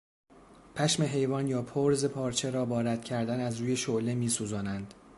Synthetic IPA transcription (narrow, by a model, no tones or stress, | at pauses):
pʰæʃme̞ɦe̞jvɒːnjɒːpʰoɾzepʰɒːɾt͡ʃʰeɾɒːbɒːɾæd̪̥cʰæɾd̪ænæzɾuːje̞ʃoʔlemiːsuːzɒːnænd̪̥